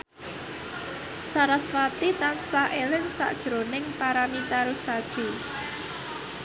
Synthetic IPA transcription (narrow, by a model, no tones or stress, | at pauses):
saɾaswat̪it̪ansaʔelɪnsa̰ʔd̥ʒ̥ɾonɪŋpaɾamit̪aɾusad̥ʒ̥u